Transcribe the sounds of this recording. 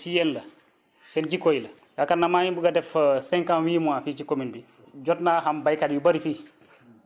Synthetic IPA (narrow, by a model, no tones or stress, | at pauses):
sijɛnlɐ | sɛnd͡ʒikojlɐ | ɡakanːamaːjibuɡadɛfsɛ̃ŋkãnwiːmuafiːt͡ʃikominbi | d͡ʒɔtnaːɦambajkadjubɐɾifiː